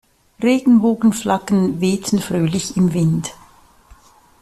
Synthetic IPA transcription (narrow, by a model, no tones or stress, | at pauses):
ʁeːɡn̩boːɡn̩flakənveːtʰn̩fʁøːlɪçɪmvɪnd